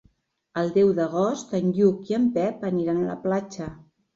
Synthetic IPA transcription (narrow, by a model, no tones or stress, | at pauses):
əlˠd̪ɛwðəɣɔst̪ənʎukiəmpɛpəniɾanlə̰plat͡ʃə